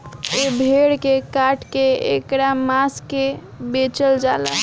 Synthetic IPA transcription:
ebʱeɽkekaʈkeḛkɾamaske | bet͡ʃəld͡ʒala̰

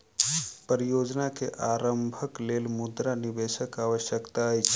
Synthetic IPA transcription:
pəɾijoːd͡ʒnakeʔaːɾəmbʱəkleːlmʊd̪ɾanibeʃəkaːʋəʃjəkt̪ajt͡ʃʰ

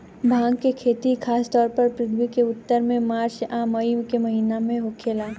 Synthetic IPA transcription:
bʱãːŋɡkekʰeːt̪ikʰaːst̪ɔːɾpɐɾpɾɪt̪ʰʋikeʊt̪ːəɾmẽmaːɾt͡ʃaːməikemɐɦiːnamẽɦokʰeːlaː

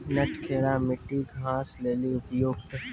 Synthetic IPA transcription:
nɐʈkʰeːɾamɪʈːiɡʱãːsleːliʊpjoːɡ̚t̪ə

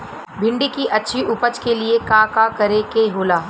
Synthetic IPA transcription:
bʱɪ̃ɳɖikiʔɐtːʃʰiʔʊpət͡ʃkeliekaːkakɐɾekeɦoːlaː

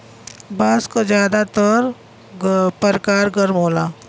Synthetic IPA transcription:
baːskozjaːd̪at̪əɾ | pəɾkaːɾɡəɾmɦoːlaː

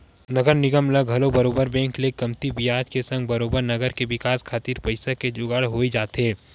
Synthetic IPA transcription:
nɐɡəɾnɪɡəmləɡɦɐlobəɾoːbəɾbɛ̃ːŋklekɐmt̪ibɪjaːd͡ʒkesɐ̃ŋɡbɐɾoːbəɾnɐɡəɾkeʋɪkaːskʰaːt̪iːɾpəɪsaked͡ʒʊɡaɽɦoːid͡ʒaːt̪ɦeː

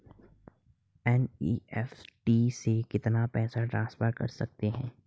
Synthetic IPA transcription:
ɛniːɛfʈiːsekɪt̪napɛːsaʈɾãːnspəɾkɐ̰ɾsɐk̚t̪eɦɛ̃ː

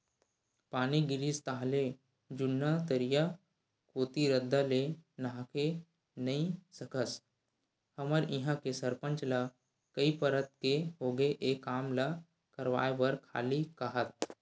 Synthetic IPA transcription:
paːniɡɪɾist̪aːɦle | d͡ʒʊnːat̪əɾija | koːt̪iɾəd̪ʱːalenaɦãke | nɐĩsəkʰəs | həməɾɪɦãkesəɾpə̃nt͡ʃla | kəipəɾət̪̚keɦoːɡəeʔeːkːaːmla | kəɾʋa̰ːebəɾkʰa̰ːlikaɦət̪̚

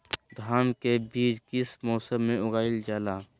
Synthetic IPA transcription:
d̪ʱaːnkebiːɾkɪsmoːsəmːẽʊɡaːɪld͡ʒaːlaː

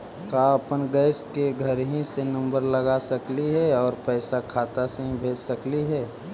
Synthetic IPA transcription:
kaəpənɡəːɪskeɡʱəɾɦĩsenə̃mbəɾləɡasəkliɦɛɔːɾpɛːsakʰaːt̪aseɦĩbʱeːd͡ʒsəkliɦɛː

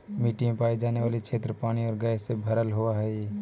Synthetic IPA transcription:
miːʈɪ̃paːid͡ʒaːneʋaːlikʰʃʰeːt̪ɾəpaːɽ̃iɔːɾɡaːjsebʱɐɾəlɦʊaɦɛi

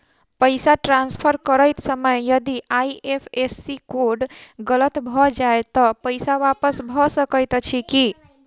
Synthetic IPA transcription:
pəɪsaʈɾanspʰəɾkəɾəjt̪səməjjəd̪iʔaiepʰesːikoɖɡələt̪bʱɔd͡ʒaet̪ɔpəɪsaʋapəsbʱɔsəkəjt̪t͡ʃʰiki

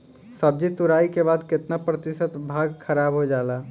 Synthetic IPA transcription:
səb̚d͡ʒit̪uɾaːikebaːd̪kɪt̪napɾət̪ɪʃət̪bʱaːɡkʰəɾaːbɦod͡ʒaːla

